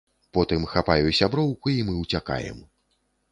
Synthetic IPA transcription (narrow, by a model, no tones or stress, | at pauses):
pɔt̪ɨmxapajusʲabɾɔwkuimɨwt͡sʲaka̰jɛ̰m